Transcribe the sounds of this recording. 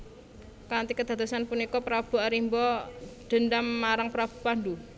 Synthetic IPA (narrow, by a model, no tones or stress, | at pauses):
kant̪ikəd̪̥a̤t̪asanpunikɔpɾab̥ṳaɾimbɔd̪̥ə̤nd̪amːaɾaŋpɾab̥ṳpand̪u